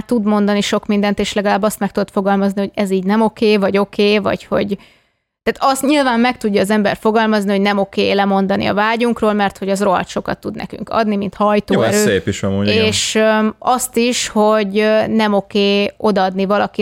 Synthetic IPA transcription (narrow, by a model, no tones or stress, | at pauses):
t̪ːud̪mo̞nd̪ɒniʃo̞kmind̪ɛnt̪eːʃlɛɡɒlaːbːɒst̪mɛk̚t̪ud̪ot̪fo̞ɡɒlmɒzniho̞ɟɛziːɟnɛmo̞keːvɒɟo̞keːvɒ̰cho̞̰ɟ | t̪aːt̪ɒst̪ɲilvaːmːɛk̚t̪uɟːɒːzɛmbɛ̰rfo̞ɡɒlmɒznihonɛmo̞kḛːlɛmo̞nd̪ɒnḭɒ̰vaːɟuŋkroːlmɛrt̪ho̞ɟɒzro̞ɦɒ̰t̪ʃo̞kɒ̰t̪ːud̪nɛ̰ky̰ŋkɒ̰d̪nimint̪hɒjt̪oːɛɾøsːeːpiʃɛmoɲeːʃɒst̪iʃho̞ɟnɛmo̞keːo̞d̪ɒɒd̪nivɒlɒki